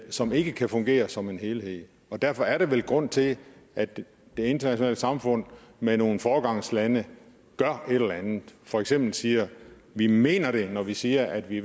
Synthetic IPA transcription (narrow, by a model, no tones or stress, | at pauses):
sɒ̽me̝ɡ̥əkʰæfɔ̽ŋɡ̥e̝̰ːɐsɒ̽me̝nɦe̝ːlhe̝ð̰ˠ | ɒ̽d̥æɐfɒ̽æɐɾe̝ʋelɡ̥ʁɔ̽n̰t͡sʰe̝læd̥ | d̥e̝e̝nd̥ɐnæɕonɛ̰ːləsɑ̈mfɔ̽n̰meno̝ːn̩fɒːɡ̥ɑ̈ŋ̰slænə | ɡ̥ɶɐʔe̝ɾ̥elˠɐænð̩ˠfɒ̽eɡ̥sem̰b̥l̩siːɐ | ʋime̝̰ːnɐɾ̥e̝nɒʋisiːɐʔæd̥ʋi